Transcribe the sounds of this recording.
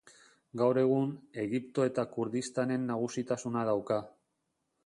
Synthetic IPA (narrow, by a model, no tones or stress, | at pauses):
ɡawɾe̞ɣ̞une̞ɣipt̪o̞e̞t̪akuɾðist̪ane̞nːaɣ̞usit̪asunaðawka